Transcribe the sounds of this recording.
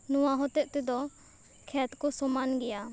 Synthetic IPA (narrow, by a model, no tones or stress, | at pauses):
nɔwaɦɔt̪ɛʔ̚t̪ɛd̪ɔ | kʰɛt̪̚kɔsɔmanɡɛja